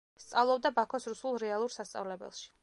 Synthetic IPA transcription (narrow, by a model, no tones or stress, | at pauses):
st̪sʼavlˠɔb̚d̪abakʰɔsɾusulˠɾɛalˠuɾsast̪sʼa̰vlɛbɛ̰lˠʃi̥